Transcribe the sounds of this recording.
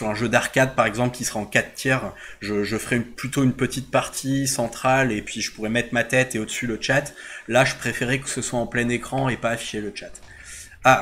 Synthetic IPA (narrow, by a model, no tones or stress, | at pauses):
syʁɛ̃ʒød̪aʁkad̪̚paʁɛɡzɑ̃pləkʲisəʁaɑ̃kat̪ːjɛʁʒəʒəfəʁɛynplyt̪oynpət̪it̪̚paʁt̪ʰisɑ̃t̪χalepɥiʒəpuʁɛmɛt̪χəmat̪ɛt̪eod̪əsylət͡ʃat̪laʒəpχefeʁɛkə̥səswaɑ̃plɛnekχɑ̃epaːfi̥ʃelət͡ʃat̪ | a